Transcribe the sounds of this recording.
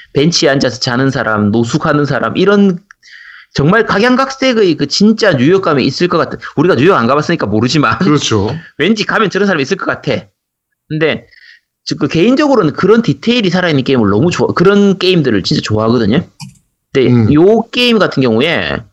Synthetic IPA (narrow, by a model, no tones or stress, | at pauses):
pe̞nt͡ɕʰiand͡ʑas̬ʰʌ̥t͡ɕanɯnsʰaɾamnos̬ʰukhanɯnsʰaɾa̰mʔiɾʌn | t͡ɕʌŋmaɭkaɡjaŋɡak̚s͈e̞ɡɯkɯt͡ɕint͡ɕ͈aɲujʌk͈amjʌis͈ɯɭk͈ʌk͈atʰɯnuɾiɡaɲujʌɡanɡabas͈ɯɲik͈amoɾɯd͡ʑimanɯʌt͡ɕʰowe̞nd͡ʑikamjʌnɯɾʌnsʰaɾamis͈ɯɭk͈ʌk͈atʰe̞ | kɯnde̞ | kɯke̞ind͡ʑʌɡɯɾonɯnkɯɾʌntitʰeiɾisʰaɾainːɯnk͈e̞imɯɭnʌmut͡ɕoa̰kɯɾʌnk͈e̞imdɯɾɯɭt͡ɕint͡ɕ͈at͡ɕoaɦaɡʌdɯɲokɯnde̞jok͈e̞imɡatʰɯnɡjʌŋue̞̰